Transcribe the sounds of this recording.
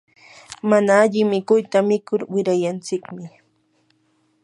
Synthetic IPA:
manaːʎɪmɪkʊjt̪amɪkʊɾwɪɾajant͡sɪkmɪ

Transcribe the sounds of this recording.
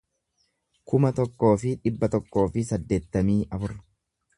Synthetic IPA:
kʊmɐt̪ɔkːo̞ːfɪᶑɪbːɐt̪ɔkːo̞ːfɪsɐd̪ːe̞ːt̪ːɐmiːɐfʊɾ

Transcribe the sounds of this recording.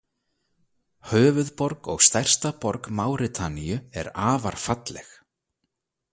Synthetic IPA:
hœːvʏðpɔɾkɔɣst̪ajr̥st̪apɔɾkmaːwɾɪt̪ʰaniʏɛ̰ɾaːvaɾ̥fat̪lɛx

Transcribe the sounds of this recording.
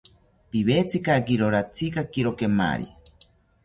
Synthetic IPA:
piβet͡sʰikakiɾoɾat͡sʰikakiɾokema̰ɾḭ

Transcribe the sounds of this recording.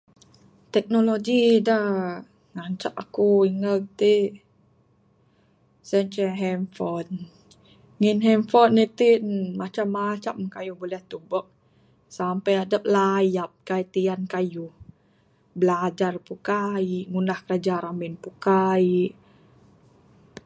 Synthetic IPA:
t̪ɛk̚noloɡidah | ŋaɲt͡ʃaʔakuiŋalt̪i | səɲt͡ʃɛɦɛmfɔn | ŋinɦɛmfɔnit̪imat͡ʃamːat͡ʃamkajuhbolɛht̪ubɔk̚ | sampajadap̚lajap̚kait̪iankajuh | bəlad͡ʒarpukaiʔŋunahkəɾad͡ʒaɾamɪnpukaiʔ

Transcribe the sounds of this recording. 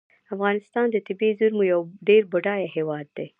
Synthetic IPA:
afɣɑnɪst̪ɑnd̪ət̪ɪbezʊɾmojawɖeɾbʊɖɑjaɦewɑd̪ːe

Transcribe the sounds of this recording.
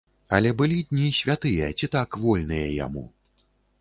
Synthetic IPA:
ɐlʲɛbɨlʲid̪ʲnʲisʲvʲat̪ɨjɐt͡sʲit̪akvɔlʲnɨjɐ̰ja̰mṵ

